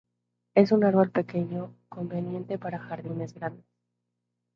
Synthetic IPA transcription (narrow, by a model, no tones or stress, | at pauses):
e̞sunaɾβo̞lpe̞ke̞ɲo̞ko̞mbe̞njẽ̞nt̪e̞paɾaxaɾðine̞zɣɾand̪es